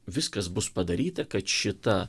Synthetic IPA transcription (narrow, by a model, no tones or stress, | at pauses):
ʋʲɪskɐsbʊspɐd̪ɐɾʲiːt̪ɐkɐt̪ʃʲɪt̪ɐ